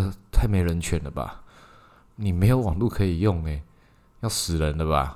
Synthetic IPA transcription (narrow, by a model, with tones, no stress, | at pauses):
t̪ʰa˥˩ɪme˧˥ɪɻə˧˦nt͡ɕʰɥɛ˧˥nd̪ə˧ba̰˨ | ni˨˩me˧˥ɪjo˨˧˥wɑ˨˩ŋlu˥˨˩kʰɤ˧˥i˨˩jʊ˥˩ŋe˨˩ɪ | jɑ˥˩ʊsɹ̩˨˩ɻə˨˦nd̪ə˧ba̰˨